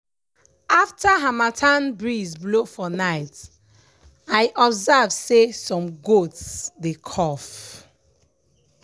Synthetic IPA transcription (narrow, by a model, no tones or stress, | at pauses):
aftʰəɦamatʰãnbɹizblofɔnaɪt | aɪʔɔbzɛvsesɔ̃mɡotsdekʰɔf